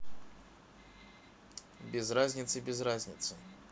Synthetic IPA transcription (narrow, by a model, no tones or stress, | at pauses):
bʲɪzrazʲnʲɪt̪sɨbʲɪzrazʲnʲɪ̰t̪sɨ